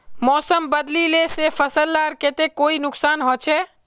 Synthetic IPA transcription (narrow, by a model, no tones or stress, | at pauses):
mɔːsəmbəd̪lilesefʰəsəlːaːɾkeːt̪ekoːinʊksaːnɦoːt͡ʃʰɛ